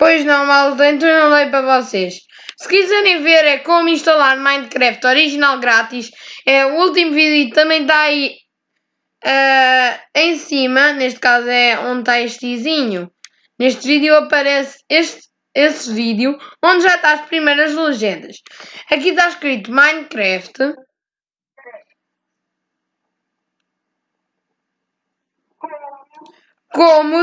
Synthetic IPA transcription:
pojʒnɐ̃malˠt̪ẽt̪̬nɐ̃w̃lˠɐjp̬ɾɐvɔseʃ | sɨ̥kizɛɾẽj̃veɾɛkõmuĩʃt̪ɐlˠaɾmãj̪̃d̪kɾɛft̪ɔɾiʒinalˠɡɾat̪iʃɛuulˠt̪̬imuvizit̪ut̪ɐ̃mɐ̃j̃t̪̬ai | ɛ | ẽj̃simɐneʃt̪̚kazuɛõnd̪̚t̪aeʃt̪iziɲu | neʃt̪viðjuɐpɐɾɛseʃt̪ | esviðjuõnd̪ʒat̪aɐʃpɾimejɾɐʒlˠɨʒẽnd̪ɐʃɐkit̪aʃkɾit̪umaj̃nkɾɛft̪ɨ | komu

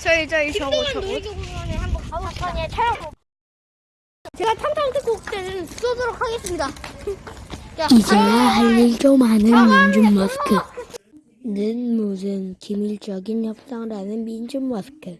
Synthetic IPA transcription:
t͡ɕʌid͡ʑʌiʌooʌnehambʌaakʰaɲt͡ɕʰaɾa | t͡ɕeɡatʰamtʰaŋtʰɯkok̚t͈enɯnɯnpu̥sʰodoɾokʰaɡes͈ɯmɲida | id͡ʑeɦaɭːiɭt͡ɕomanɯnmind͡ʑumːʌskʰɯ | nɯnmodɯnkimiɭt͡ɕʌɡinçjʌp̚s͈aŋɾanɯnmind͡ʑumːʌskʰɯ

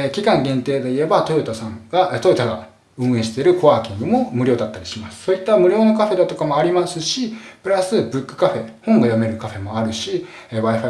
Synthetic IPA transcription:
kʲikãŋɡẽ̞nt̪e̞ːd̪e̞ie̞bat̪o̞jot̪asãŋɡat̪ojot̪aɡa̰ | ɯ̟̃ɰ̃ẽ̞ɕi̥t̪e̞ɾɯ̟ko̞βaːkʲĩŋɡɯ̟mo̞mɯ̟ɾʲjo̞ːd̪at̪ːaɾʲiɕimasɨ̥so̞ːit̪ːamɯ̟ɾʲo̞ːno̞kaɸe̞d̪at̪o̞kamo̞aɾʲimasɨɕipɯ̟ɾasɨbɯ̟kːɯ̥kaɸe̞hõ̞ŋɡajame̞ɾɯ̟kaɸe̞mo̞aɾɯ̟ɕi | βaiɸa

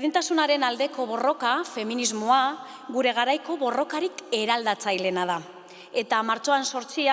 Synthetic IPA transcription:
ðint̪asunaɾe̞nald̪e̞ko̞βo̞ro̞kafe̞minizmoa | ɣuɾe̞ɣ̞aɾajko̞βo̞ro̞kaɾike̞ɾald̪at͡sajle̞nað̞a | e̞t̪amaɾt͡so̞anso̞ɾt͡sia

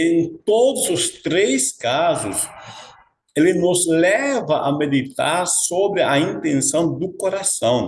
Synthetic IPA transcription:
ẽnt̪od̪ʊzʊst̪ɾeskazʊs | elɪnʊzlɛvɐʔɐmed̪it̪a̰ɾsobɾɪɐĩnt̪ẽnsɐ̃w̃d̪ʊkoɾasɐ̃w̃

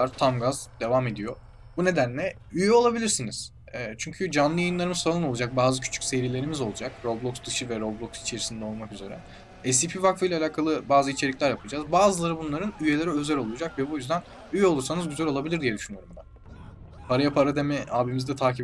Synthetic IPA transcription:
aɾt̪ʰamɡazd̪e̞vame̞d̪ijo̞ | bune̞d̪ænlʲɛ | yjɛo̞lˠabilʲiɾsiniz̥ː | t͡ʃʰyɲcʰyd͡ʒanlˠɯjajɯnlˠaɾɯmɯzsalˠɯno̞lˠud͡ʒak̚baːzɯcʰy̥t͡ʃʰy̥cʲse̞jɾiːlʲe̞ɾimizo̞lˠud͡ʒak̚ɾoblˠoksd̪ɯʃɯvɛɾoblˠoksi̥t͡ʃʰe̞ɾisind̪ɛo̞lˠmakyze̞ɾɛ | ɛs̬ipʰivakfɯjlʲalʲaːkʰalˠɯbaːzɯit͡ʃʰe̞lʲicʲlʲæɾjapʰɯd͡ʒaːzbaːzɯlˠaɾɯbunlˠaɾɯnyje̞lʲe̞ɾɛø̞zɛlʲo̞lˠujd͡ʒakvɛbujyzd̪æn | yjɛo̞lˠuɾsanɯzɟyzælʲo̞lˠabilʲiɾd̪ijɛd̪yʃynjoɾumd̪a | pʰaɾajapʰaɾad̪emɛaːbimizd̪ɛt̪ʰaːci

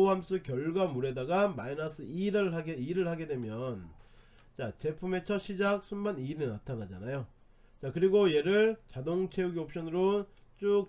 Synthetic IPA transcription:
ɦams͈ɯkjʌɭɡwamuɾe̞daɡamainasʰɯiɾɯɭɦaɡeiɾɯɭhaɡe̞dwe̞mjʌn | t͡ɕat͡ɕe̞pʰume̞t͡ɕʰʌɕʰid͡ʑak̚s͈ʰunbaniɾenatʰanad͡ʑa̰najo | t͡ɕakɯɾiɡoje̞ɾɯɭt͡ɕadoŋt͡ɕʰe̞uɡiop̚ɕ͈ʌnɯɾo | t͡ɕ͈uk̚

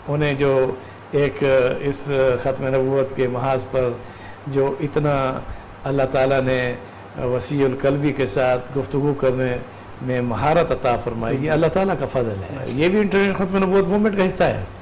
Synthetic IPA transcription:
ʊnɦẽd͡ʒoː | eːkɪsxɐt̪menɐbuːət̪kemɐɦaːzpɐɾ | d͡ʒoːʔɪt̪na | ɐlːaɦt̪aːlane | ʋɐsiːʊlkɐlbikesaːt̪ʰɡʊft̪ʊɡukɐɾne | mẽmɐɦaːɾət̪ɐt̪afɐɾmaːijeɐlːaɦt̪aːlakafɐzlɦɛ̰jebʱiɪ̃ɳʈəɾneːʃə̃nxɐt̪menɐbuːət̪̚moːmẽʈkaɦɪsːaɦɛ̰ː

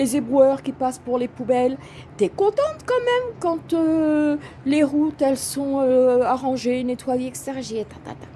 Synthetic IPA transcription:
lezebʁwœʁkʲipaspuʁlepubɛl | t̪yɛkɔ̃t̪ɑ̃t̪kɑ̃mɛmkɑ̃t̪ø | leʁut̪ɛlsɔ̃øaʁɑ̃ʒenet̪wajeɛkst̪ɛʁʒeet̪ãt̪ã̰t̪ã

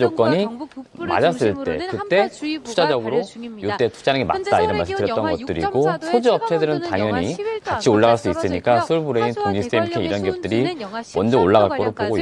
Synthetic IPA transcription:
d͡ʑok͈ʌɲima̰d͡ʑas͈ɯɭt͈e̞̰kɯt͈e̞tʰud͡ʑad͡ʑʌɡɯɾojut͈e̞tʰu̥d͡ʑanɯŋima̰t̚t͈aiɾʌnmaɕʰitɯɾjʌt͈̚ʌnɡʌt̚t͈ɯɾiɡosʰod͡ʑiʌp̚t͡ɕʰedɯɾɯntaŋjʌɲikat͡ɕʰioɭːaɣaɭs͈uis͈ɯɲik͈asʰuɭbuɾeintoŋd͡ʑiss͈emkʰeiɾʌnɡiʌp̚t͈ɯɾimʌnd͡ʑʌoɭːaɣaɭk͈oɾok̚p͈oɡoi

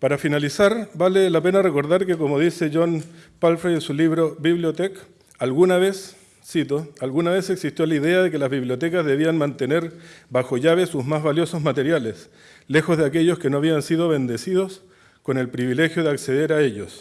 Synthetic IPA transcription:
paɾafinalisaɾbalelape̞nareko̞ɾðaɾkekomoðise̞ʝo̞npalfɾeensuliβɾoβiβljot̪ek | alɣunaβesː | it̪oalɣunaβeseksist̪jo̞laiðeaðe̞kelazβiβljo̞t̪ekazðe̞βianmant̪e̞ne̞ɾbaxo̞ʝaβesuzmazβaljo̞sozmat̪eɾjales | le̞xozðeake̞ʎo̞skenoaβiansiðo̞βe̞nd̪esið̞os | ko̞ne̞lpɾiβile̞xjoð̞eakse̞ðeɾaeʎos

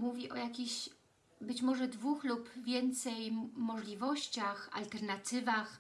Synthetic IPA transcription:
muvʲiʔɔjakʲiɕ | bɘt͡ɕmɔʐɛd̪vuxlupvʲjɛnt̪sɛjmɔʐlʲivɔɕt͡ɕaxa̰lt̪ɛɾnat̪ɘvax

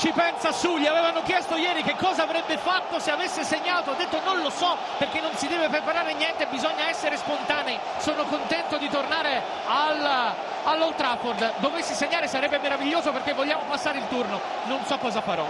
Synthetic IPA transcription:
t͡ʃipɛnsasuʎiavɛːvanokjɛst̪ojɛːɾikekːɔːzaːvɾɛbːefat̪ːoseavesːeseɲːaːt̪oad̪ːet̪ːononlosɔ | perk̟enːonsid̪ɛːvepɾepaɾaːɾenjɛnt̪ebizɔɲːaɛsːeɾespont̪aːnɛi | soːnokont̪ɛnt̪od̪it̪ornaːɾe | al | alːowt̪ɾaford̪d̪ovesːeseɲːaːɾesaɾɛbːemeɾaviʎːoːzoperkevːoʎːaːmopasːaːɾeilt̪urno | nonsɔkːɔːzafaɾɔ̰

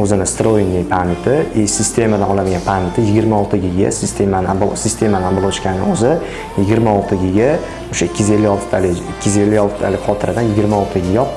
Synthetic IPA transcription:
ɵzɪnɪst̪ɾoinnːɪpʰaɾmɪt̪ʰɪsɪst̪ʰe̞mad̪anɒlad̪ɪɡʲanpʰaɾmɪt̪ʰɪjɪɡʲɪɾmaɒlˠt̪ʰɪɡʲɪɡʲa̰sɪst̪ʰe̞manɪasɪst̪ʰe̞manɪablˠoʃkʲanɪ̰ɵzɪ | jɪɡʲɪɾmaɒlˠt̪ʰɪɡʲɪɡʲa | oʃaɪkʲːɪze̞lːɪjɒlˠt̪ʰɪ̥t̪ʰalɪɪkʰʲːɪzelːɪjɒlˠt̪ʰɪt̪ʰa̰lɪqʰɒt̪ʰɪɾɪd̪anjɪɡʲɪɾmaɒlˠt̪ʰɪɡʲɪjɒ

